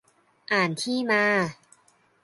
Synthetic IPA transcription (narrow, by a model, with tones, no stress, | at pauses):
ʔaː˨˩nt̪ʰiː˥˩maː˧